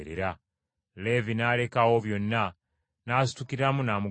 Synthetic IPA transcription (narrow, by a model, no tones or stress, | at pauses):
ɾḛɾa | le̞vinale̞kawo̞βjo̞nːa | naːsu̥tukiɾamunaːmu